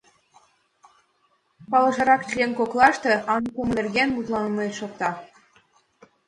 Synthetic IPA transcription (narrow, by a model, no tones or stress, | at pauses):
pɑlˠɤ̆ʒɤ̆ɾɑkt͡ɕlʲenkoklˠɑʃt̪ĕɑnkumlʲerɡʲenmut̪lˠɑnmɤʃok̚t̪ɑ